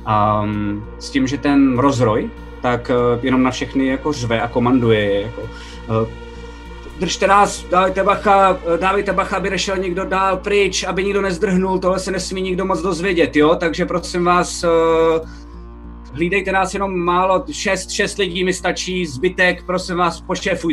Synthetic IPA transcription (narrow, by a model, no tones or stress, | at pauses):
ʔa | scɪmʒɛt̪ɛnɾo̞zɾo̞j | t̪akjɛno̞mnafʃɛxnɪjako̞rvɛʔako̞mandujɛɛjako̞ | d̪r̩ʃt̪ɛnaːsdavɪjt̪ɛbaxadaːvɪjt̪ɛbaxaabɪnɛʃɛlɲɪɡdo̞daːlpɾɪt͡ʃʔabɪɲɪɡdo̞nɛzd̪r̩ɦnult̪o̞ɦlɛsɛnɛsmiːɲɪɡdo̞mot͡sdo̞zvjɛɟɛt̪joːt̪aɡʒɛpɾo̞sɪmvaːs | ɦliːdɛjt̪ɛnaːsjɛno̞mːaːlo̞ʃɛst̪ʃɛst̪lɪɟiːmɪst̪at͡ʃiːzbɪt̪ɛkpɾo̞sɪmvaːspoʃɛːfuj